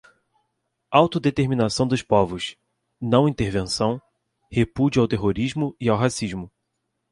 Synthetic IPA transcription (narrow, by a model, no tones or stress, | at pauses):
awt̪ʊd̪et̪eɾminasɐ̃w̃d̪ʊspɔvʊs | nɐ̃w̃ĩnt̪eɾvẽsɐ̃w̃ | hepud͡ʒʊawt̪eɦoɾiʒmʊiawɦasiʒmʊ